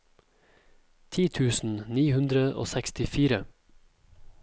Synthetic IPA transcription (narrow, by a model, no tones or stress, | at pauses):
t̪ʰiːt̪ʰʉːsn̩niːhʉnd̪ɾəʔo̰ːsɛkst̪ɪfiːɾə